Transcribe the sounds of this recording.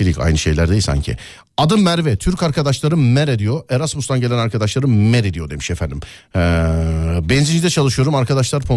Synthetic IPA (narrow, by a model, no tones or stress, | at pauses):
ilʲica̰jnɯʃe̞̰jlʲæɾd̪ejisa̰ɲcʰɪ̰ | ad̪ɯmːæɾvɛt̪ʰyɾcaɾkad̪aʃlˠaɾɯmɛɾed̪ijoʔeɾasmust̪anɟe̞lʲænaɾkʰad̪aʃlˠaɾɯmɛɾed̪ijo̞d̪e̞mi̥ʃefænd̪im | bɛnzid͡ʒid̪ɛt͡ʃʰalˠɯʃɯjo̞ɾumaɾkʰad̪aʃlˠaɾpʰo